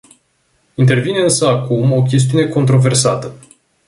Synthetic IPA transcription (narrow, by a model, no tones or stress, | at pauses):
int̪e̞rvineɨnsəakumo̞kʲe̞s̬t̪iune̞ko̞nt̪ɾo̞ve̞rsat̪ə